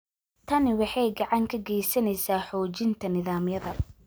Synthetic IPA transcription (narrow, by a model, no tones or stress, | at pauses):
t̪ʰɐnɪwɑħɑjɡɑʕɑŋkʰɐɡɛjsɐnɛjsaːħɔːt͡ʃɪnt̪ʰɐnɪðaːmjɐðɐ